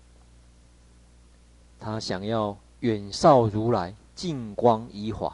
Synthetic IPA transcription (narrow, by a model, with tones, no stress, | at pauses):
t̪ʰa˦ɕja˨˩ŋja˥˨ʊ | ɥɛ˨˩nsa˥˨ʊɾu˨˦la˨˦ɪ | t͡ɕi˥˨ŋkwa˦ŋi˦hwa̰˨˦